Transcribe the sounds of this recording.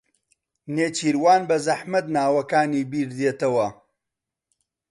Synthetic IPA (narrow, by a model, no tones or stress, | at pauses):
neːt͡ʃiːɾwaːnbɐzɐħmɐt̪̚naːwɐkaːniːbiːɾd̪eːt̪ɐwɐ